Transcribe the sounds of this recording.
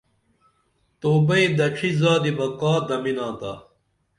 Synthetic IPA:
t̪oːbɐid̪ɐʈ͡ʂʰizaːd̪ibɐkaːd̪ɐminãːt̪a̰ː

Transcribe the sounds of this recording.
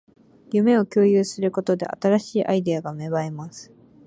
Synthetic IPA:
jɯ̟me̞o̞kʲo̞ːjɯːsɨɾɯ̟ko̞t̪o̞d̪e̞̰ʔa̰t̪aɾaɕiːʔaid̪e̞aɡame̞βaemasɨ̥

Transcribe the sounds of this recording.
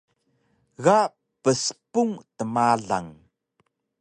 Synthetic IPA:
ɣaʔ | pəspuŋt̪əmaɮa̰ŋ

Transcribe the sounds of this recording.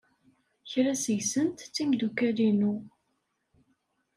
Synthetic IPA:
çɾæsəjsənt̪t͡sːimd̪ukælinu

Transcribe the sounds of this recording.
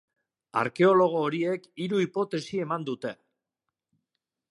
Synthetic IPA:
a̰ɾke̞o̞lo̞ɣ̞o̞ːɾie̞kiɾuipo̞t̪e̞sie̞mand̪ut̪e̞

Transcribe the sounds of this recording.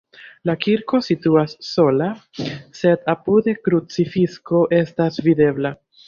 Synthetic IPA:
lakiɾko̞situasːo̞lase̞dapude̞kɾut͡sifisko̞ʔe̞stasvide̞bla

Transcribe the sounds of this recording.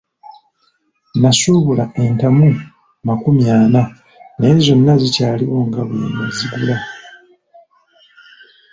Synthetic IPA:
nasuːβulae̞ntamu | makumjaːna | ne̞ːzo̞nːazicaːliwo̞ŋɡaβiinḛziɡula

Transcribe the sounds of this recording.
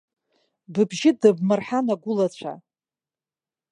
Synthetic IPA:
bɨbʒɪdɨbmɨrħanaɡʷʊlat͡ɕʷʰa̰

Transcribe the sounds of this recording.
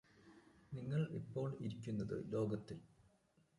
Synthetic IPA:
niŋːɐɭipːo̞ːɭiɾikʲːunːɐðɨ̰lo̞ːɡɐt̪ːil

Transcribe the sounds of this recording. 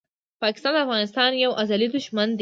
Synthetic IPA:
pɑkɪ̥st̪ɑnd̪əafɣɑnɪst̪ɑnjawʔazalid̪ʊʃmand̪

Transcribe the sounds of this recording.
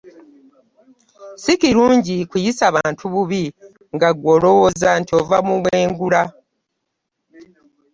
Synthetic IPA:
sikiɾuːɲɟikujisaβaːntʰuβuβi | ŋɡaɡwo̞lo̞wozantiovamuβweːŋɡula

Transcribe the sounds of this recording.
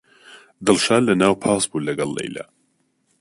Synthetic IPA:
d̪ɨlˠʃaːllːɐnaːwpʰɑːsbuːlɐɡɐlːḛjlɐ̰

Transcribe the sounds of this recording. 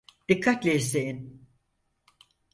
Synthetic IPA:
d̪̥ikʰːat̪lʲɛzejin

